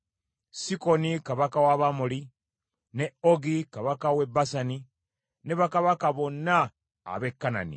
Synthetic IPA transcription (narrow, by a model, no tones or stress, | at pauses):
sikonikaβakawaβamuli | neoɡikaβakawebasani | neβakaβakaβo̞nːa̰ː | βekːana̰nḭ